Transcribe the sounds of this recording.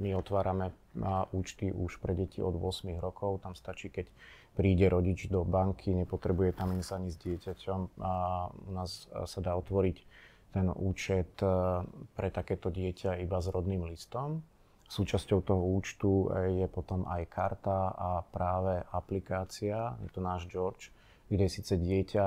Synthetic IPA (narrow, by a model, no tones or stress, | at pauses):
miɔt̪ʋaːɾamɛ | uːt͡ʃt̪iʔuʃpɾɛɟɛcʰiʔɔd̪ʋʊɔsmiɣɾɔkʰɔʊt̪amst̪at͡ʃiːkɛc | pɾiːɟɛɾɔɟid͡ʒd̪ɔbaŋkʰiɲɛpɔt̪ɾɛbujɛt̪aminzaɲizɟɪɛcacʰɔm | ṵnaːssad̪aːɔt̪ʋɔɾic | t̪ɛnṵːt͡ʃɛt̪ | pɾɛt̪akɛːt̪ɔɟɪɛcʰaibazɾɔd̪niːmlist̪ɔm | suːt͡ʃascɔʊt̪ɔɦɔuːt͡ʃt̪ujɛpɔt̪ɔma̰jkʰaɾt̪aapɾaːʋɛʔaplikaːt͡siajɛ̰t̪ɔnaːʒd͡ʒɔɾt͡ʃ | ɡdɟɛjɛsiːt͡sɛɟɪɛcʰa